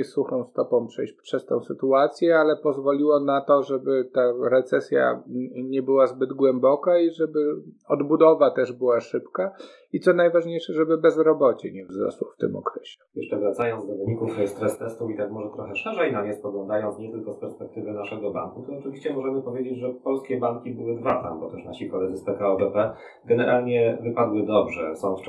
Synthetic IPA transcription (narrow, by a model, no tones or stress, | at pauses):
ɛsuxɔ̃w̃st̪ɔpɔ̃w̃pʂɛjɕt͡ɕpʂɛst̪ɔ̃w̃sɘt̪uat̪sʲjɛalɛpɔzvɔlʲiwɔnat̪ɔʐɛbɘt̪aɾɛt̪sɛsʲja̰ɲɛbɘwazbɘd̪ɡwɛmbɔkaiʐɛbɘ | ɔd̪bud̪ɔvat̪ɛʐbɘwaʂɘpka | it̪sɔnajvaʐɲejʂɛʐɛbɘbɛzɾɔbɔt͡ɕɛɲɛvzɾɔ̰swɔft̪ɘ̰mɔ̰kɾɛɕɛ̥jɛʂt͡ʂɛvɾat̪sajɔnd̪ɔvɘɲikufst̪ɾɛst̪ɛst̪uit̪akmɔʐɛt̪ɾɔxɛʂɛʐɛjnaɲɛspɔɡlɔ̃nd̪ajɔnt̪sɲɛt̪ɘlkɔspɛɾspɛk̚t̪ɘvɘnaʂɛɡɔba̰ŋkut̪ɔɔt͡ʂɘvʲiɕt͡ɕɛmɔʐɛmɘpɔvʲjed͡ʑed͡ʑʐɛpɔlskʲɛbaŋkʲibɘwɘd̪vat̪a̰mbɔt̪ɛʂna̰ɕikɔlɛd̪zɘspɛkaɔbɛpɛ | ɡɛnɛɾʔalɲɛvɘpad̪wɘd̪ɔbʐɛ̰sɔ̃w̃f